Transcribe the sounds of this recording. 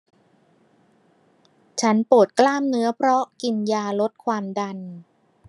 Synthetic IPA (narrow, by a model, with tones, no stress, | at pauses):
t͡ɕʰa˦˥npu˨˩t̪̚klaː˥˩mnɯ˦˥ɐpʰɾɔ˦˥ki˧njaː˧lo˦˥t̪̚kʰwaː˧mda˧n